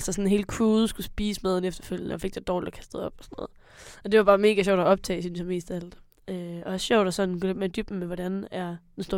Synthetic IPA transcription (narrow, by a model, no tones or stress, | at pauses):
lsəsɒnnɦe̝ːləkʰuːð̩ˠsɡ̥usb̥iːsmeðˠn̩efd̥ɐføl̰jənəɒ̽fe̝ɡ̥̚d̥ed̥ɒːlid̥ɒkʰæsd̥ð̞̩ˠɒ̽b̥ɒ̥sɒno̰ːð̩ˠ | ɒ̽d̥e̝ʋɑ̈b̥ɑ̈ːme̝ːɡ̥æɕ̬ɒʊ̰d̥ɒɒ̽b̥̚t͡sʰɛ̰ːsynɕjæme̝̰ːsd̥ææl̰d̥ | øɒ̽ɒɕɒʊ̰ɾ̥æsɒ̽nn̩kleb̥meɐd̥yb̥n̩meʋɒɾænæɐd̥ensd̥o̝ɐ